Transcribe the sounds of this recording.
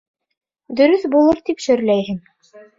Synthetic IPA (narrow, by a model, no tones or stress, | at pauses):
d̪ɵ̆ɾɵθbulˠɤɾt̪ipʃɵ̆ɾlæjɦɘŋ